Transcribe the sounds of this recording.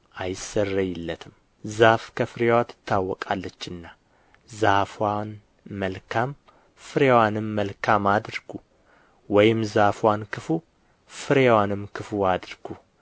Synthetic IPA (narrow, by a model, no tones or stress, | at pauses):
ʔajɪsərːəjɪlːət̪ʰɨm | zafkʰəfɨɾewat̪ʰːɨ̥t̪ʰːawːɔkʼalːət͡ʃːɨnːa | zafwan | məlkʰam | fɨɾewanɨmːəlkʰamad̪ɾɡu | wɔjɪmzafwankʰɨfu | fɨɾewanɨmkʰɨfuad̪ɾɡu